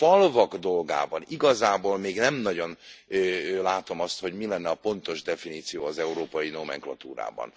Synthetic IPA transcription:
fɒlvɒɡd̪o̞lɡa̰ːbɒniɡɒzaːboːlmeːɡnɛmnɒɟo̞n | laːt̪o̞mɒst̪ho̞ɟmilɛnːɛɒpo̞nt̪o̞ʒd̪ɛfiniːt̪sijoːɒzɛuɾoːpɒjinomɛ̰ŋklɒt̪uːɾa̰ːbɒ̰n

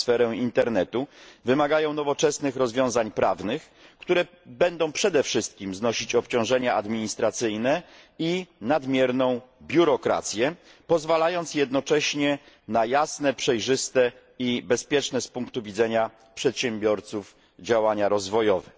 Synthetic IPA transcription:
sfɛɾɛint̪ɛɾnɛt̪uvɘmaɡajɔ̃w̃nɔvɔt͡ʂɛsnɘxɾɔzvʲjɔ̃w̃zaɲpɾʔa̰vnɘx | kt̪uɾɛ | bɛnd̪ɔ̃w̃pʂɛd̪ɛfʂɘst̪̚kʲimznɔɕit͡ɕɔpt͡ɕɔ̃w̃ʐɛɲaʔad̪mʲiɲist̪ɾat̪sɘjnɛinad̪mʲjɛɾnɔ̃w̃bʲjuɾɔkɾa̰t̪sʲjɛ | pɔzvalajɔnt̪sjɛd̪nɔt͡ʂɛɕɲɛ | najasn̪ɛpʂɛjʐɘst̪ɛ | ibɛspʲjɛt͡ʂnɛspuŋkt̪uvʲidzɛɲa | pʂɛt̪ɕɛmbʲjɔɾt̪suf | d͡ʑawaɲaɾɔzvɔjɔvɛ

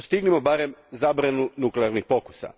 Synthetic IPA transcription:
st̪iɡnimo̞baɾe̞mzabɾanunukleaɾnixpo̞ku̥sa̰

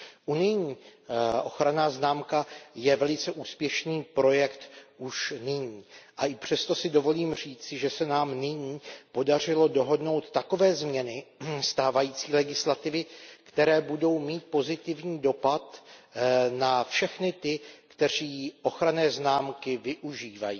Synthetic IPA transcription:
ʔunɪjɲiːʔo̞̰xɾanaːznaːmkajɛvɛlɪt͡sɛʔuːspjɛʃniːpɾo̞jɛkt̪ʔuʃnɪɲiːʔaʔɪpr̝̥ɛst̪o̞sɪdo̞vo̞liːmr̝iːt͡sɪʒɛsɛnaːmnɪɲiːpo̞dar̝ɪlo̞do̞ɦo̞dno̞wt̪ːako̞vɛːzmɲɛnɪst̪aːvajiːt͡siːlɛɡɪslat̪ɪvɪkt̪ɛɾɛːbudo̞wmiːt̪̚po̞zɪt̪ɪvɲiːdo̞pat̪ | nafʃɛxnɪt̪ɪkt̪ɛr̝iːʔo̞xɾanɛːznaːmkɪvɪʔuʒiːvajiː

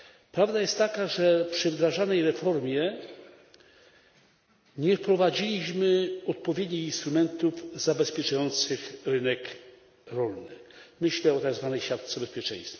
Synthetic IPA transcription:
pɾavd̪ajɛst̪ːakaʐɛpʂɘvd̪ɾaʐanɛjɾɛfɔɾmʲjɛ | ɲɛfpɾɔvad͡ʑilʲiɕmɘɔt̪̚pɔvʲjed̪ɲixinst̪ɾumɛnt̪uvzabɛspʲjɛt͡ʂajɔnt̪sɘxɾɘnɛk | ɾɔlnɘmɘɕlɛɔt̪aɡzvanɛjɕjʲat̪t̪sɛbɛspʲjɛt͡ʂɛ̰̃j̃st̪fʲa

